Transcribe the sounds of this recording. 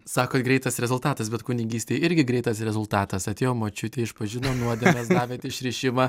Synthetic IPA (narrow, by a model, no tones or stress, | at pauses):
sɑːkoːɡɾʲɛɪt̪ɐsɾʲɛzʊlˠt̪ɑːt̪ɐsbʲɛt̪kʊnʲɪɡʲiːsʲt̪ʲeːɪɾʲɡʲɪɡɾʲɛɪt̪ɐsɾʲɛzʊlˠt̪ɑːt̪ɐsɐt̪ʲeːjoːmoːt͡ʃʲʊt̪ʲeːɪʃpɐʒʲɪnoːnuɔd̪ʲɛmʲɛs̬d̪ɑːʋʲeːt̪ɪʃʲɾʲɪʃʲɪmɐ